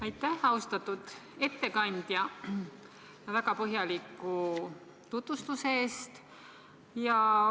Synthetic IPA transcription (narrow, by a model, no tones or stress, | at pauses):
ɑjt̪ːˑæhɑust̪ɑt̪ːˑud̪̥e̞t̪ːe̞kɑnʲd̪̥jɑ | jɑvækɑpɤɦjɑlikːˑu | t̪ut̪vust̪useest̪ | jɑ